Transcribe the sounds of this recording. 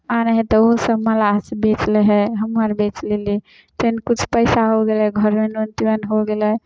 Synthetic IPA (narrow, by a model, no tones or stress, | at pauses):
aneɦɛt̪ɔoɦsəbməlaɦsəbet͡ʃleɦɛɦəmːəɾbet͡ʃleli | t̪enkut͡ʃʰpəjsaɦoɡelɦɛɡʱəɾmenont̪iwənɦoɡelə